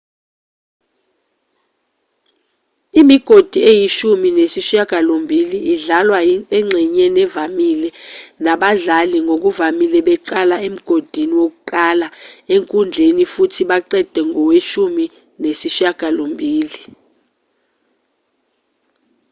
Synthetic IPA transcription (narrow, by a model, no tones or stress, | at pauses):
imiɡ̥ʱod̥ʱiejiʃuminesiʃaɡ̥ʱalombʱiliiɮalwaɛŋ͡ǁʱiɲɛnɛvamilɛnaɓaɮaliŋok̬uvamilɛɓɛǃalaem̩ɡ̥ʱod̥ʱiniwok̬uǃʼalaeŋkʼund͡ɮʱenifutʰiɓaǃɛd̥ʱɛŋʱɔweʃumi | nesiʃaɡ̥ʱalombʱiːli